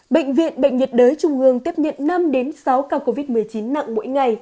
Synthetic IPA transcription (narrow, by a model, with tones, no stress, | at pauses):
ɓə̰˧˨ŋ̟vḭ˧˨ənɓə̰˧˨jŋ̟ɲə˨˩t̚ɗəː˨˦jt͡ɕʊ˨˩ŋ͡mʔɨ˨˩əŋt̪i˦˥əp̚ɲə̰˧˨nna˧mɗe˨˦nsa˨˦wkaː˧˩ko˧vi˦˥t̚mɨ˨˩əjt͡ɕi˨˦nːa̰˧˨ŋmo̰˧˥jŋa˨˩j